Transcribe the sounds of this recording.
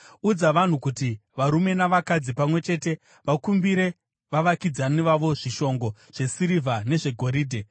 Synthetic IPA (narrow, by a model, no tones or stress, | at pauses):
ud͡zaʋan̤ukutiʋaɾume̞naʋakad͡zipamwe̞t͡ʃe̞te̞ | ʋakumbiɾe̞ | ʋaʋakid͡zaniʋaʋo̞ʐiʃo̞ŋɡo̞ | ʐ̥e̞siɾivʱane̞ʐe̞ɡʱo̞ɾiːdʱe